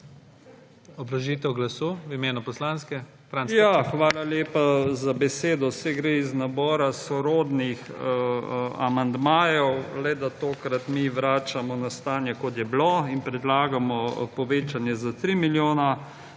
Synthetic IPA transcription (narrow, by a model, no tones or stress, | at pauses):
ɔbɾɐʒit̪ɛwɡlasuːwimeːnupɔslaːnskɛ | t̪ɾaːnsjaxʋaːlaljeːpazabɛseːd̪ɔsɛɡɾeiznabɔːɾasɔɾoːd̪nix | a̰mand̪maːjɔwlɛd̪at̪oːkɾat̪miʋɾaːt͡ʃamɔnast̪aːnjɛkɔt̪jɛbloinpɾɛd̪laːɡamɔpɔʋeːt͡ʃanjɛzat̪ɾimiljoːna